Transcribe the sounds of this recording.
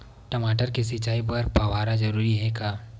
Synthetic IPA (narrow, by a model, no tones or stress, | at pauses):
ʈɐmaːʈəɾkesɪt͡ʃaːipɐɾpaʋaːɾad͡ʒɐɾuːɾiɦɛkaː